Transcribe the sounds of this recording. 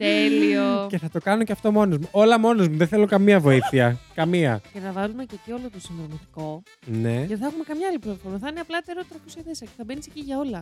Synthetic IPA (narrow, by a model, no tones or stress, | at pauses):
t̪elioce̞θɐt̪o̞kɐno̞ceɐft̪o̞mo̞nozmuʔo̞lɐmo̞nozmuðeθe̞lo̞kɐmiɐvo̞iθiɐkɐmiɐce̞θɐvɐlume̞cecio̞lot̪osinðɾonit̪i̥ko̞ | ne̞ðeθɐxumekɐmɲɐalipɾot̪ofoɾmɐθɐineɐplɐt̪eɾot̪ɾɐkosjɐðesɐceθɐbe̞niseciʝɐo̞lɐ